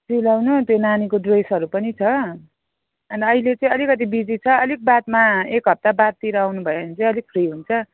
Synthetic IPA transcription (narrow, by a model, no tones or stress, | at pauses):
silawnut̪jonanikodojsʌɾupʌnit͡sʰʌ | ʌniʌɦilet͡sʌĩʌlikʌt̪̬ibid͡zit͡sʰʌʌlik̚bat̪̚maekɦʌp̚t̪abat̪̚t̪iɾʌawnubʱʌjeʌnit͡sʌ̃ĩʌlik̚pʰriɦunt͡sʰʌ